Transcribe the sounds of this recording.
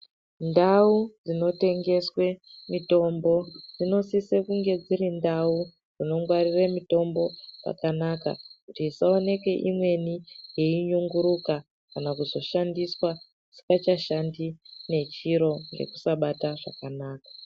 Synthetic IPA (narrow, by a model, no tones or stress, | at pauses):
ndaud͡zino̞te̞ŋɡe̞swe̞mito̞mbo̞d͡zino̞sisekuŋɡe̞d͡zirindau | d͡zino̞ŋɡwariremito̞mbo̞ʐa̰kanaka̰kutiːsao̞ne̞ke̞ʔimwe̞nijeiɲuŋɡuɾuka | kanakuzo̞ʃandiswa | usi̥kat͡ʃaʃandine̞t͡ʃiɾo̞ŋɡe̞̰ku̥saɓataʐa̰kanaːkḁ